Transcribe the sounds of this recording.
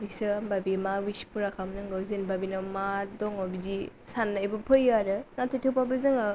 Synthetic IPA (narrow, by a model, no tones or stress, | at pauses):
bisɯbabimawispuɾakʰamnɯŋɡawzinbabinamadɔŋɔbidi | sanːajbɐpʰɯjaɾɯŋatʰɯjtʰɯwpabɐzɯŋ